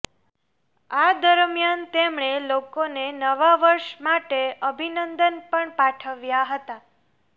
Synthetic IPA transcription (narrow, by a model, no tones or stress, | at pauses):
ad̪əɾmjant̪emɳelokonenəʋaʋəɾʃmaʈeʔəbʱinənd̪ənpəɳpaʈʰəʋjaɦət̪a